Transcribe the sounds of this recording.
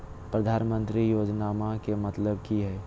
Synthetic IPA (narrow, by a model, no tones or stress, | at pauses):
pɾəd̪ʱaːnmə̃nt̪ɾijoːd͡ʒnaːmakemɐt̪ləb̚kiɦɛː